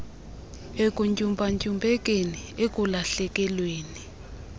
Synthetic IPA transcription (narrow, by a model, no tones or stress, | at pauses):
ek̬ʼuɲcʼumpʼaɲcʼumbʱʼɛk̬ʼeniek̬ʼulaɬɛk̬ʼɛlweːni